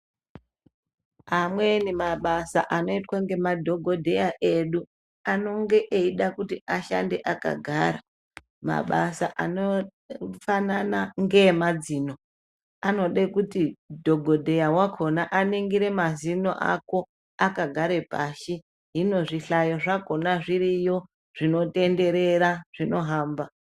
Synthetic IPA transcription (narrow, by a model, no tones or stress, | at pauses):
ɦamwe̞nimaɓasaʔano̞itwaŋɡe̞madʱo̞ɡʱo̞dʱe̞jaʔeɗu | ano̞ŋɡe̞ʔeiɗakutiaʃande̞ʔaka̰ɡʱaːɾa | ma̰ɓasaʔano | fananaŋɡe̞mad͡zino̞ | ano̞ɗekutidʱo̞ɡʱodʱe̞jawakʰo̞naʔaneŋɡiɾe̞mazino̰ʔa̰ko̞ | akaɡʱaɾe̞paʃi | ɦino̞ʐiɬajo̞ʐako̞naʐiɾijo̞ | ʐ̥ino̞te̞nde̞ɾe̞ɾaʐ̥ino̞ɦaːmba